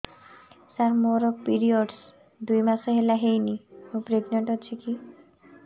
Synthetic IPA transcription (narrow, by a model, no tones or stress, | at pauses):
saɾmoɾopiɾioɖs | d̪ujmaseɦelaɦejnimopɾeɡneɳʈɦot͡ɕʰiki